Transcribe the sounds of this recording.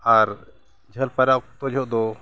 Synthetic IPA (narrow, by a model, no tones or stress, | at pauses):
aɾ | d͡ʒʱəlpaɾaʔt̪ɔd͡ʒʱɔʔd̪ɔ